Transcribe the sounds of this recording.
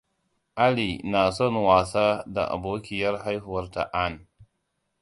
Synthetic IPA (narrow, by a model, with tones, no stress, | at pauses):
ʔa˦li˨na˨sɔ˦˨nwaː˨saː˦da̰˨ʔa̰˨boː˦kʲɪ˦jɐ˦rɦa˦jhʊ˨wɐ˦rta̰˨ʔa˦˨n